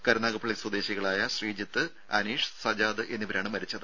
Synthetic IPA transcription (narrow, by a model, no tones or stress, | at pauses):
kɐɾɐnaːɣɐpʰɐɭikswud̪e̞ːɕiɣɐɭaːjɐɕriːd͡ʑɐt̪ːɨ | ɐ̰niːʂsɐd͡ʑaːðɨʔe̞nːibɐɾaːɳɨmɐɾit͡ɕːɐðɨ